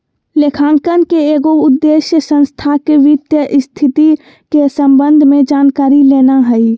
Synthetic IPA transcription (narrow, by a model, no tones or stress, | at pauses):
lekʰaːŋkənkeeːɡoʊd̪ːeːʃjəsə̃nst̪ʰakeʋɪd̪jəʔɪst̪ʰɪt̪i | kesə̃mbə̃nd̪ʱmẽd͡ʒaːnkaːɾileːnaɦɛi